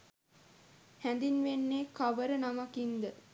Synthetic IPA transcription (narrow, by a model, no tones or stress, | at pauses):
hænd̪inʋenːeːkaʋəɾənamakind̪ə